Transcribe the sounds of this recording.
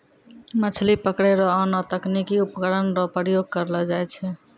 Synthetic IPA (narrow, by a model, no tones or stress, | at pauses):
mət͡ʃʰlipəkɽeɾɔːnɔt̪əknikiupkəɾənɾɔpɾəjoɡ̚kəɾlɔd͡ʒajt͡ʃʰɛ